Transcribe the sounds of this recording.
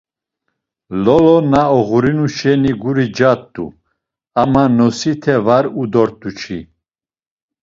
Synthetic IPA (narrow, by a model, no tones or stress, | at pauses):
lɔlɔnaɔɣuɾinuʃɛniɡuɾid͡ʒat̪ʼːṵ | amanɔsit̪ʰɛvaɾud̪ɔɾt̪ʼut͡ʃʰi